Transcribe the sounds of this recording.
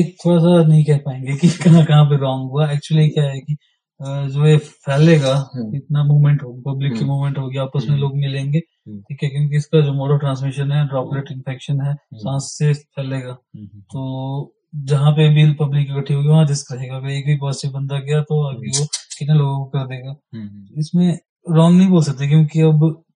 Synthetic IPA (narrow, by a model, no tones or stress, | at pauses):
eːk̚t̪ʰoːɽas̬anɐɦĩkɛɦpaːẽːŋɡekikɐɦãkɐɦãp̬eɾɔːŋɡɦuaɛːk̚t͡ʃuəlikjaɦɛki | d͡ʒoːepʰɛːlːeːɡaɪt̪namuːmɛ̃ɳʈɦoːɡipɐblɪkːimuːmɛ̃ɳʈɦoːɡiaːpəsmẽloːɡmẽlẽːŋɡeː | ʈʰiːkɛkjõːk̬iɪskad͡ʒoːmɔːɖəʈɾãːns̬mɪʃənɦɛɖɾɔːkɾeʈɪ̃nfʰɛːkʃənɦɛːsãːsːepʰɛːleːɡaːt̪oː | d͡ʒɐɦãp̬eɐbʱipɐblɪkːikɐʈʰːiɦoːɡiʋɐɦãd̪ɪskɾɐɦeːɡaɐɡɐɾeːkbʱipaːsibɐ̃nd̪aɡɐjat̪oɐbʱiʋokɪt̪neloːɡ̃kokɐɾd̪eːɡaːt̪oɪsmẽ | ɾɔːnːɐɦĩboːlsɐk̚t̪ek̬jõːkiɐb